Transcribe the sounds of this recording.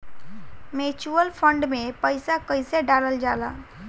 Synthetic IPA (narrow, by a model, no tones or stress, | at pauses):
meːt͡ʃuəlpʰəɳɖmẽpəɪsakəɪseɖaːləld͡ʒaːlaː